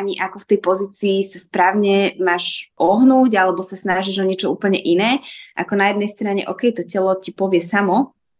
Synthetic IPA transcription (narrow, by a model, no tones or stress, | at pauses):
ɲiʔakɔft̪ɛjpɔziːt͡siːsaspɾaːʊɲɛmaːʒʔɔɦnuːɟalɛbɔsasnaʒiʒɔɲɪɛt͡ʃɔuːpl̩ɲɛʔinɛːʔa̰kɔnajɛd̪nɛjst̪ɾaɲɛ̰ʔɔːkɛjt̪ɔcɛlɔcipɔʋɪɛsamɔ